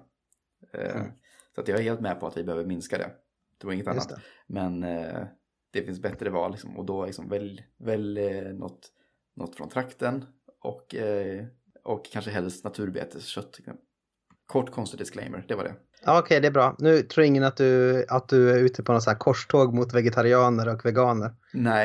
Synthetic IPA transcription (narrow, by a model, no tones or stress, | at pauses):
sɔat̪jɑɛɾheːlt̪mɛpʰɔat̪vɪbɛhøːvəɾmɪnskad̪ɛ̰ | t̪ʰɾuːɾɪŋːət̪anj̪ːat̪mɛn | d̪̥ɛfɪnsbɛt̪ɾəvɑ̰ːllːɪksɔmɔ̰d̪ɔlɪksɔmvɛlvɛlnɔ̰t̪ː | nɔt̪ːfɾɔ̰nt̪ʰɾakt̪ənɔ̰kː | ɔkʰːanʂəɦɛlːəsʂnat̪ʰʉ̟ːɾbḛːt̪ʰəɕœt̪ʰːɛ | kʰɔʈːkʰɔnst̪əd̪ɪsklɛ̰jmə̰ɾɖ̪ɛvaɖɛ̰ | ɑːɔkʰɛjd̪ɛæbɾɑːnʉ̟ːt̪ʰɾuːɾɪŋːənat̪̚d̪ɵat̪̚d̪ɵæɾʉ̟ːt̪ʰəpʰɔnɔt̪sæːɾkʰɔʂʈʰoːɡmʊt̪vɛɡɛt̪ʰaɾɪɑːnəɾɔkvɛɡɑːnəɾ | nɛ